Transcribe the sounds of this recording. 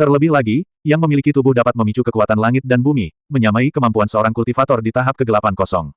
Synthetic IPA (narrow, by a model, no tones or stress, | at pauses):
t̪ərləbɪhlaɡi | jaŋməmilikit̪ubʊhdapat̪̚məmit͡ʃukəkuat̪anlaŋɪt̪̚danbumi | məɲamaikəmampuansəoɾaŋkult̪ifat̪ɔrdit̪aɦap̚kəɡəlapankɔsɔŋ